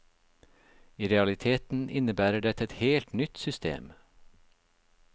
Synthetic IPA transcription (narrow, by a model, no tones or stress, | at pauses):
iːɾɛɑlɪt̪ʰeːt̪n̩ʔɪnəbæːɾəɖɛt̪ɛt̪heːlt̪nʏt̪sʏst̪ḛːm